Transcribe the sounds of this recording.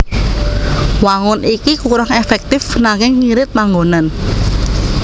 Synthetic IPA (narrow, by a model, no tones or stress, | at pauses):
waŋʊnʔikikuɾɔŋefɛk̚t̪ɪfnaŋɪŋːiɾɪt̪̚paŋɡonan